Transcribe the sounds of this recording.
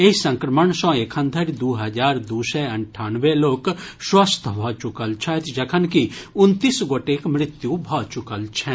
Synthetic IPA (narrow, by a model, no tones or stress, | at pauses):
eɦisə̃ŋkɾəməɳsɔ̃ːekʰə̃nd̪ʰʱəɾd̪uɦɐd͡ʒaːɾd̪uːsɛɐɳʈʰaːnʋeloːkswast̪ʰəɦɔt͡ʃʊkəlt͡ʃʰɛt̪ʰd͡ʒɐkʰənkiʊnt̪iːsɡoːʈeːkmɾɪt̪jubʱɔːt͡ʃʊkəlt͡ʃʰɛ̃